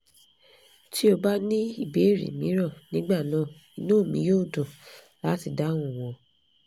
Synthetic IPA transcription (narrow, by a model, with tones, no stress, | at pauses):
ti˦o˧ba˦nĩ˦i˦˨be˨˦˨ɾḭ˨mĩ˨˦ɾɔ̃˦˨nĩ˨˦ɡ͡ba˦˨nã˦˨ | i˨nũ˦˨mĩ˨˦jo˦˨dõ˨ | la˨˦ti˧da˨˦w̃ũ˦˨w̃ɔ̃˧